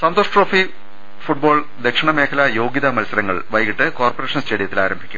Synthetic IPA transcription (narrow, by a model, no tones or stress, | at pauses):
sɐnd̪oːʂʈro̞ːfi | fuʈ̚bo̞ːɭ | d̪ekʂɐɳɐme̞ːkʰɐlɐjo̞ːɡjɐðɐmɐlsɐɾɐŋːɐ̰ɭʋɐjɣiʈːɨko̞ːrpore̞ːʂɐnst͡ɕeːɽijɐt̪ːilaːɾɐmbʱi̥kʲːum